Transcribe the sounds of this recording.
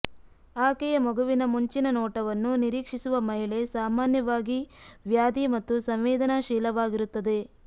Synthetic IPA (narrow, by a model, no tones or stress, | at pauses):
aːkɛjɐmɔɡuʋinɐmuɲt͡ʃinɐnɔːʈɐʋɐnːuniɾiːkʂisuʋɐmɐɦiɭe̞saːmaːnjɐʋaːɡiʋjaːd̪imɐt̪ːusɐmʋɛːd̪ɐnaʃɛːlɐʋaːɡiɾut̪ːɐd̪e̞